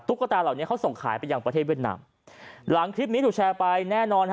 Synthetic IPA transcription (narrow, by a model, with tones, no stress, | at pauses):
t̪u˦˥kːa˧t̪aː˧la˨˩wni˦˥ɐkʰwso˨˩ŋkʰa̰ː˩˦jpa˧jːaː˧ŋpɾa˧tʰe˥˩i˥˩t̪̚na̰ː˧m | la˨˩˦ŋkʰɾi˦˥p̚ni˦˥uː˨˩t͡ɕʰɛː˧pa˧jnɛː˥˩nɔː˧n